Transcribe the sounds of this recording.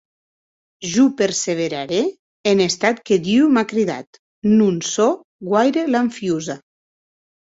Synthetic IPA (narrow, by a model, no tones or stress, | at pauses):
ʒupeɾseβ̞eɾaɾeː | nest̪at̪ked̪iwmakɾiða̰t̪ | nunso | ɡwajɾelaɱfjuza